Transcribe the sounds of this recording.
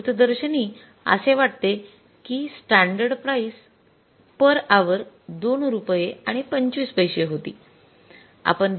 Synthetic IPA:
ut̪d̪əɾɕəniː | ə̰seʋaʈt̪e | kiːsʈãɳɖəɾɖpɾais | pəɾaʋəɾ | d̪onɾupjeaɽ̃ipəɲt͡ɕʋiːspəjɕeɦot̪ḭː | a̰pəɳd̪

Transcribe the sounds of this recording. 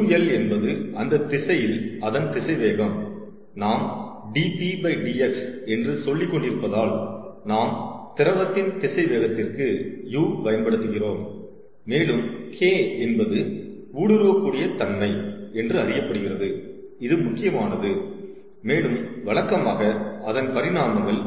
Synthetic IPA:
jɛlɛnbɐðɯʔɐnd̪ɐt̪ːɪsɐjɪlɐðɐnt̪ɪsɐɪʋeːɣɐm | naːm | ɖiːpibɐɪɖiːɛksɛndrɯsɔlːɪkːɔɳɖɪɾɯpːɐðaːlnaːmt̪ɪɾɐʋɐt̪ːɪnt̪ɪsɐɪʋeːɣɐt̪ːɪrkɯjuːʋɐjɐnbɐɽɯt̪ːɯɣɪroːmː | eːɭɯmkʰeːɛnbɐðɯ | uːɽɯɾɯʋɐkːuːɽɪjɐt̪ɐnmɐɪɛndrɯɐɾɪjɐpːɐɽɯɣɪrɐðɯɪðɯmʊkːɪjɐmaːnɐðɯ | meːɭɯmʋɐɭɐkːɐmaːɣɐɐðɐnpɐɾɪnaːmɐŋɡɐɭ

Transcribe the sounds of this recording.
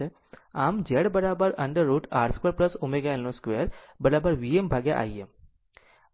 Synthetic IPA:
e | aːmd͡ʒeɽbəɾaːbəɾɐɳɖəɾːuːʈaːɾskʋeɾpləsumeɡaelːõskʋeɾbəɾaːbəɾʋiembʱaːɡja̰ʔa̰ːiem

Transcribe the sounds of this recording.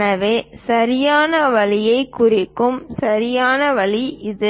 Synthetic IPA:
nɐʋeːsɐɾɪjaːnɐʋɐlɪjɐɪkːʊrɪkːɯmsɐɾɪjaːnɐʋɐɭiʔɪðɯ

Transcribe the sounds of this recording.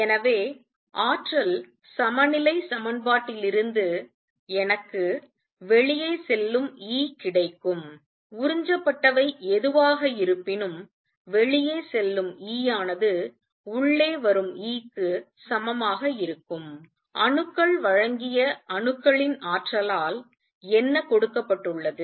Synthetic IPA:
ɛnɐʋeː | ʔaːʈrɐl | sɐmɐnɪlɐɪsɐmɐnbaːʈːɪlɪɾɯnd̪ɯ | ɛnɐkːɯ | ʋɛɭɪjeːsɛlːɯmiːkɪɽɐɪkːɯm | ʊɾɪɲd͡ʒɐpːɐʈːɐʋɐɪɛðɯʋaːɣɐɪɾɯpːɪnɯm | ʋɛɭɪjeːsɛlːɯmiːjaːnɐðɯ | ʊɭːeːʋɐɾɯmiːkːɯ | sɐmɐmaːɣɐɪɾɯkːɯm | ʔɐɳɯkːɐɭʋɐɻɐŋɡɪjɐɐnɯkːɐɭɪnaːʈrɐlaːl | ɛnːɐkɔɽɯkːɐpːɐʈːɯɭːɐðɯ

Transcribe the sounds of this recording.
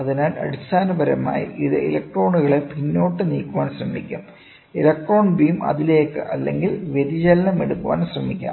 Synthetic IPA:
ɐðinaːlɐ̰ɽist̪ʰaːnɐbɐɾɐma̰ːjḭʔiðɨ̰ḛlɐk̚ʈro̞ːɳuɣɐɭepinːo̞ːʈːɨnḭːkːuʋaːnsrɐmikʲːa̰ːm | elɐk̚ʈroːɳbiːmɐ̰ðileːkːɨ̰ʔɐlːe̞̰ŋɡilʋjed̪it͡ɕɐlɐnɐmeɽukːuʋa̰ːnɕrɐmikʲːa̰ːm

